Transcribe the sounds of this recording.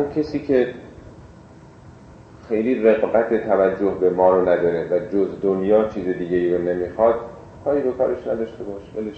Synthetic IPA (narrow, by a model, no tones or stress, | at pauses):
unkʰesiːcʰe | xejliːreɣbæt̪ʰe̞t̪ʰævæd͡ʒːo̞hbe̞mɒːɾonæd̪ɒːɾe̞væd͡ʒozd̪onjɒːt͡ʃʰiːzed̪iːɟeiːɾone̞mixɒːd̪̥ | kʰɒːiːɾokʰɒ̰ːɾeʃnæd̪ɒːʃt̪e̞bɒːʃbæleʃ